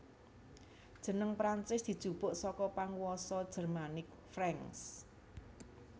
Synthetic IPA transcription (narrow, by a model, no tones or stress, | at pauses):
d̥ʒ̥ə̤nəŋpɾant͡ʃɪsd̪̥i̤d̥ʒ̥ub̥ʊ̤ʔsɔkɔpaŋwɔsɔd̥ʒ̥ə̤rmanɪk̚ | fɾɛŋs